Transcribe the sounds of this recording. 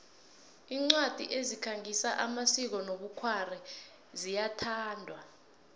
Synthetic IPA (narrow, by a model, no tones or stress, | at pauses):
iːŋ͡ǀwad̥ʱḭʔezikʰaŋʱisaʔamasik̬ɔnoɓukʰwarɛ | zijatʰaːndʱwa